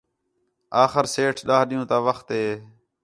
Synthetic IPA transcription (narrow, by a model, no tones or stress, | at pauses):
aːxəɾseːʈʰɗaːɦɗɪjũːt̪aːʋəxt̪ɦeː